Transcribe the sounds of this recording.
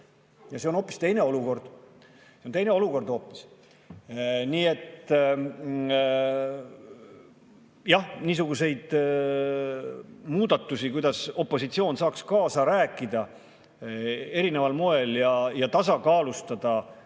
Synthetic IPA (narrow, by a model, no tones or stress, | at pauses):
jɑseo̞no̞ːpːˑi̥st̪e̞jne̞o̞luko̞rd̪̥ | sent̪e̞jneo̞luko̞rd̪o̞ːpːˑi̥s | niːe̞t̪ | jɑhniːs̬uɡ̥use̞jd̪̥ | muːd̪̥ɑt̪ːˑusikujd̪̥ɑso̞pˑːo̞sit̪sio̞ːnsɑːkskɑːsɑɾæːkːˑid̪̥ɑ | e̞ɾine̞vɑlmoe̞ljɑjɑt̪ɑs̬ɑkɑːlust̪ɑd̪̥ɑ